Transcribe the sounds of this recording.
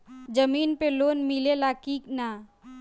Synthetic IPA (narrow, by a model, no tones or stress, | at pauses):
d͡ʒəmiːnpeloːnmɪlelakiːkna